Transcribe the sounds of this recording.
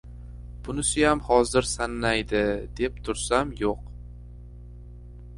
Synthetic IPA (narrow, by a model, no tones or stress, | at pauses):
b̥ʊnɪsɪjamhɒzɪɾsanːajd̪ɪd̪e̞p̚t̪ʰʊɾsamjoq